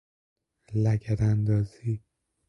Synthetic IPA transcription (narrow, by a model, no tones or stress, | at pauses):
læɟæɾænd̪ɒːziː